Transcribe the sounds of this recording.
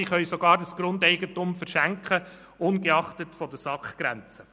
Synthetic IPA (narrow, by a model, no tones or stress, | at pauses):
iχœʏsɔɡɑːɾdəsɡ̥ɾʊndɛɪɡətʊmfəɾʃæŋkχə | ʊnɡeɑχtətfɔdəsɑkχɡ̥ɾæ̰nt͡sə